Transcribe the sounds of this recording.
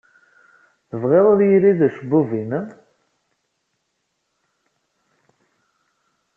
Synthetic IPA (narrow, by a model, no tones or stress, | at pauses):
θəvʁeðˤoðjiɾiðæʃəbːuvin